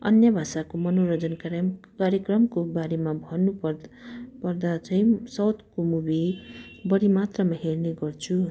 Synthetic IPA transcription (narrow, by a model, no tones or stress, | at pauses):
ʌ̰njʌbʱasakomʌnoɾʌd͡zʌnkkaɾjʌkrʌmkobaɾemabʱʌnu | pʌrd̪at͡sʰʌj̃sʌwt̪komubʱibʌɾimat̪rʌmaɦerneɡʌrt͡sʰu